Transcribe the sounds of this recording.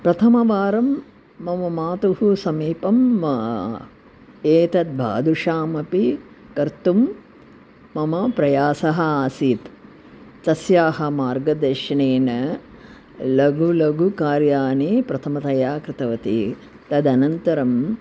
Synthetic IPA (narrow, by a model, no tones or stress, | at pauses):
pɾɐt̪ʰɐmɐʋaːɾɐmː | ɐmɐmaːt̪uhusɐmiːpɐmːɐ | eːt̪ɐd̪̚bʱa̰ːd̪ʱuʂaːmɐpi | kɐɾt̪umː | ɐmɐpɾɐjaːsɐɦɐaːsiːt̪ | t̪ɐsjaːɦɐ̆maːɾɡɐd̪ɐʂɐɳeːnɐ | lɐɡulɐɡukaːɾjaːneːpɾɐt̪ʰɐmɐt̪ɐjaːkɾɪt̪ɐʋɐt̪ḭ | t̪ɐd̪ɐnɐnt̪ɐɾɐm